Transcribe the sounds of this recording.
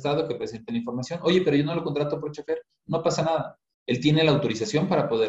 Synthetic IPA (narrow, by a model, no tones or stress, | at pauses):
t̪að̞oke̞pɾese̞nt̪alaiɱfo̞ɾmasjo̞nʔo̞ʝe̞pe̞ɾo̞ʝo̞no̞lo̞ko̞nt̪ɾat̪op̬o̞ɾt͡ʃafeɾ | no̞pasanaða | e̞lt̪je̞ne̞laːwt̪o̞ɾisasjo̞mpaɾapo̞ðe